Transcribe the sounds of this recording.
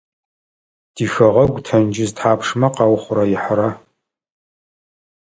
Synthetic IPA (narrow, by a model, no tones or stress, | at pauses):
d̥iːxɐʁɐɡʷtʰɐnd͡ʒɪztʰħaːpʂmɐqɑwχʷʊɾɐjɪħɾɐ